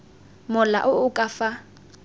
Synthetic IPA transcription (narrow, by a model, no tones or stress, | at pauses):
mʊla̰ʔʊʊkʼafa